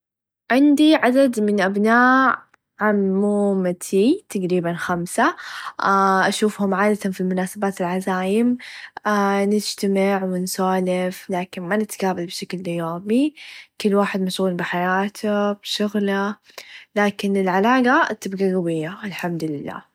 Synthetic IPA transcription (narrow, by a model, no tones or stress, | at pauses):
ʕɪnd̪iʕad̪ad̪mɪnʔabnaːʔ | ʕamːuːmat̪ʰit̪aɡɾiːbanxamsa | ʔaʃuːfhʊmʕaːd̪at̪anfilmʊnaːsabaːt̪ɪlʕazaːjɪmː | nɪd͡ʒt̪amɪʕwɪnsaːlɪflaːkɪnmanɪt̪ɡaːbalbʃaklʔɪjoːmikʊlːwaːħɪd̪maʃɣuːlbɪħajaːt̪ʰab̥ʃʊɣla | laːkɪnɪlʕalaːɣat̪ːɪbɡaɣawɪjːaɪlħamd̪lɪlːa̰ː